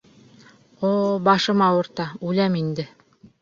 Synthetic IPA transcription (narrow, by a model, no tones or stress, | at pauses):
obɑʃɤ̆mɑwŏɾt̪ɑʉlæmind̪ɘ